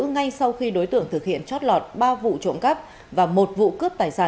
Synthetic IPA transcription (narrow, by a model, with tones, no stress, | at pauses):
ŋa˧jsa˧wxi˧ɗo˨˦jt̪ɨ̰˧˨əŋt̪ʰɨ˨˩k̚hḭ˧˨ənt͡ɕɔ˦˥t̚lɔ˨˩t̚ɓaː˧vṵ˧˨t͡ɕo̰˧˨ŋ͡mka˦˥p̚ | vaː˨˩mo˨˩t̚vṵ˧˨kɨ˦˥əp̚t̪aː˨˩jsaː˧˩